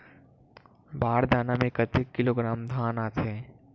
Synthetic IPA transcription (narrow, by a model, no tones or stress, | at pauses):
baːɾd̪aːnamẽkət̪ekːɪloɡɾaːmd̪ʱaːnaːt͡ʃʰe